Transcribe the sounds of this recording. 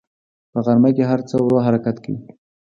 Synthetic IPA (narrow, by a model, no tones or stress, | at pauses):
pəɣaɾmajkeɦaɾt͡səwɾoɦaɾakat̪kawi